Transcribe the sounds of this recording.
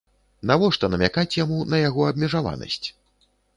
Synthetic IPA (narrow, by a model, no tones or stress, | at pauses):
navɔʂt̪ɔnɐmʲakat͡sʲjamunɐjaɣɔɐbmʲɛʐava̰nɐ̰sʲt͡sʲ